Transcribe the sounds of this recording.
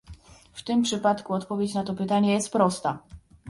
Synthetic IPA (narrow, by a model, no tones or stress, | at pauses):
ft̪ɘmpʂɘpat̪kuɔt̪pɔvʲjet͡ɕnat̪ɔpɘt̪aɲɛjɛst̪pɾɔst̪a